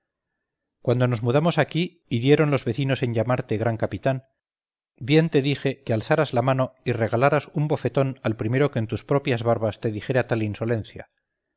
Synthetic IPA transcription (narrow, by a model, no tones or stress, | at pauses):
kwand̪o̞no̞zmuðamo̞sakiː | ðje̞ɾo̞nlo̞zβe̞θino̞se̞ɲʎamaɾt̪e̞ɣ̞ɾaŋkapit̪an | bje̞nt̪e̞ðixe̞kealθaɾazlamano̞ire̞ɣalaɾasumbo̞fe̞t̪o̞nalpɾime̞ɾo̞ke̞nt̪uspɾo̞pjazβaɾβast̪e̞ðixe̞ɾeat̪alinso̞le̞nθja̰